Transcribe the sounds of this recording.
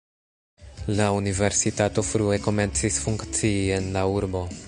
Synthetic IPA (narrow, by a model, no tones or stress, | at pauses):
launive̞ɾsitato̞fɾue̞ko̞me̞nt͡sisfuŋkt͡siːe̞nlauɾbo̞